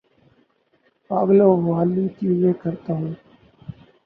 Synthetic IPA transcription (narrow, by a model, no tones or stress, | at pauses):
paːɡloːʋaːliːt̪iːzeːkəɾt̪aːɦũː